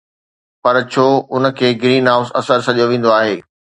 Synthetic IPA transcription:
pɐɾt͡ɕʰoːʊnə̆kʰeːɡɾiːnɦaːʊsɐsəɾsɐɗijoʋẽːn̆d̪oaːɦeː

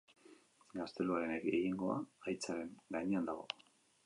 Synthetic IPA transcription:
ɡast̪e̞luaɾe̞nekeɣiŋɡo̞a̰ːjt͡saɾe̞nɡajɲeand̪aɣo̞̰

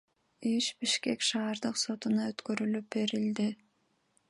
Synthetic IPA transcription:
iʃbiʃke̞kʃɑːɾd̪ɯqso̞t̪unɑøt̪kø̞ɾylyp̚be̞ɾild̪i

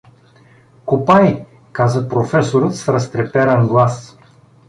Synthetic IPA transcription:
kopaj | kazəpɾofɛsoɾɤt̪sɾɐst̪ɾɛpɛɾənɡlˠas

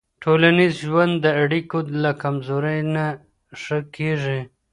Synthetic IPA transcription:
ʈʰolanizʒwand̪ːəaɽikolakamzoɾajna | ʂəkʰeʐi

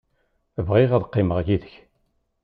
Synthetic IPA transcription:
əvʁɪʁæðqːɪməʁʝiðəç

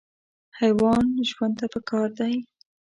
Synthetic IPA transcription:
hajwɑnʒwand̪t̪apəkʰɑɾd̪aj

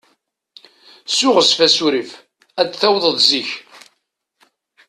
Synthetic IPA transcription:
sʊʁəsfæsuɾif | ædθæwðˤəðziç

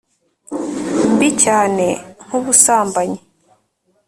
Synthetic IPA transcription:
mbicaːne̞ŋ̥huβusaːmbaɲe

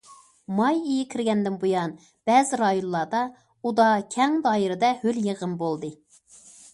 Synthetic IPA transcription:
mɑjijɪkʲʰɪɾɡʲɛnd̪ɪnbujɑn | b̥ɛːzɪɾɑjonlˠɑd̪ɑ | ud̪ɑkʲʰɛŋd̪ɑːjiɾɨd̪ɛhøljeʁəmbolˠd̪ɨ

